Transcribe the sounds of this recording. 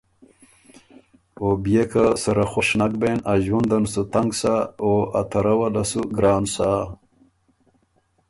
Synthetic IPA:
obijekasɐɾaxoʂnakbenaʑwund̪ɐnsut̪aŋɡsaoat̪ʰɐɾɐwalasuɡɾaːnsa

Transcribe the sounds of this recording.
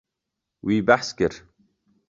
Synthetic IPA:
wiːbaħskɪɾ̥

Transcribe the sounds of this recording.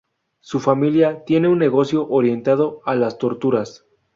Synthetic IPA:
sufamiljat̪je̞ne̞unːe̞ɣo̞sjo̞ʔoɾje̞nt̪að̞o̞alast̪o̞ɾt̪uɾas

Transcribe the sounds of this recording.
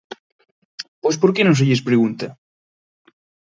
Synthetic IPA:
pojspoɾkenõŋs̬eʎespɾeɣunt̪ɐ

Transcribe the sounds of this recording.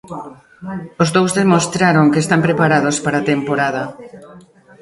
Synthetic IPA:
ozðowzðemost̪ɾaɾoŋkest̪ampɾepaɾaðospaɾat̪empoɾað̞ɐ

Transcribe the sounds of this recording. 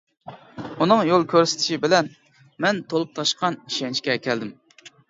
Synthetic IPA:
unɨŋjolˠkʲʰøɾsɪ̥t̪ʰɪ̥ʃibɪlɛn | mɛnt̪ʰolˠup̚t̪ʰɑʃqɑniʃɛnt͡ʃkʲɛkʲʰɛld̪ɪm

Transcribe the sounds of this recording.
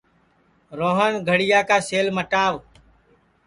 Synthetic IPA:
ɾoːɦəɳɡʱəɽɪjaːkaːseːlməʈaːʋ

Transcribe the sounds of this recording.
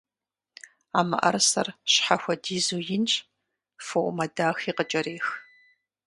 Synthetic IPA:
aːmɐ̰ʔɐ̰rsɐrɕħaxʷɔdiːzuːjɪnt͡ʃʼ | foʔʷmɐdaːxiːqət͡ʃʼɐɾeːx

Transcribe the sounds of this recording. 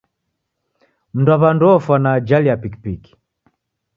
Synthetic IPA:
m̩ndwaβandɔfwanad͡ʒaliapiki̥piki̥

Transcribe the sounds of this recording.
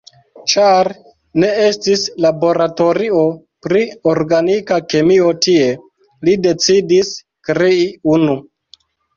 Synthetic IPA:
t͡ʃaɾ | ne̞estislabo̞ɾato̞ɾio̞ | pɾioɾɡanikake̞mio̞tie̞ | lide̞t͡sidis | kɾeiunu

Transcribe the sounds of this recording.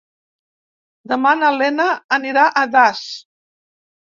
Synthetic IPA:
d̪əmanəlɛnəːniɾaʔəðas

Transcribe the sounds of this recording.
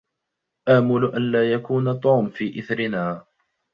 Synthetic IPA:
ʔaːmʊlʊʔanlaːjakuːnat̪ˤuːmfiːʔɪθɾɪnaː

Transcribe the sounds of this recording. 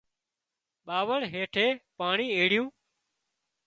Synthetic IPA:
ɓaːʋəɽɦeːʈʰeːpaːɳiːeːɽɪjũː

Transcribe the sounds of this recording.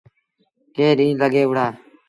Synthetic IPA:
keːɾĩːləɡeːʋəɽaː

